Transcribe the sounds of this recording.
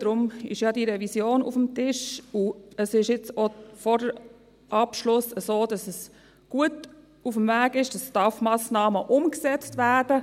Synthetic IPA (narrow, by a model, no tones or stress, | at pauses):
d̥ɾʊmɪ̰ʃjɑdiɾɛvisjoːnṵfəmtɪʃuəsɪʃjɪt͡sofɔɾdə | ʔɑpʃlʊsəsoːd̥ɑsəs | ɡ̥uət | ufmvæːɡɪʃd̥ɑstɑfmɑːsnɑːməʔʊmksɛt͡stvæɾdə